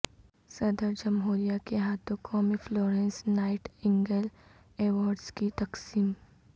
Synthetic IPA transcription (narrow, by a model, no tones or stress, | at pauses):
sɐd̪əɾd͡ʒɐmɦoːɾijakeɦaːt̪õkʰɔːmifloːɾẽːnsnaːɪʈɪ̃ŋɡəl | eːʋɔːɾɖskit̪ɐqsiːm